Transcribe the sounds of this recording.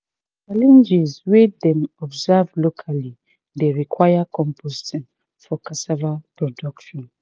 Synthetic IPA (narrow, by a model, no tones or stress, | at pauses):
t͡ʃalɛ̃nd͡ʒɛzwidɛ̃mɔbzavlokʰali | deɹikʰwajakʰɔ̃mpʰozitɔ̃n | fɔkasavapɹɔdɔkʃɔ̃n